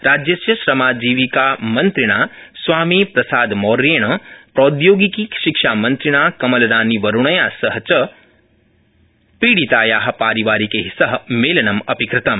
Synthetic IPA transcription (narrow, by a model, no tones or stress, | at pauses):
ɾaːd͡ʒjɐsjɐʃɾɐmaːd͡ʒiːʋikaːmɐnt̪ɾiɳaː | sʋaːmiːpɾɐsaːd̪moːɾeːɳɐpɾoːd̪joːɡikiʃikʂaːmɐnt̪ɾiɳaːkɐmɐlɐɾaːniʋɐɾuɳɐjaːsɐɦɐt͡ʃɐ | piːɽit̪aːjaːɦɐ̆paːɾiʋaːɾikeːɦisɐɦɐ̆meːlɐnɐmɐpikɾɪt̪ɐm